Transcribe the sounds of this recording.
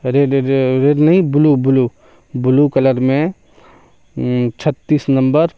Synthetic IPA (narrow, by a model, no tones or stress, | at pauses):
ɾeɖɾeɖnɐɦĩbʊlubʊlu | bʊlukɐləɾmẽ | t͡ʃʰət̪ːiːsnɐ̃mbəɾ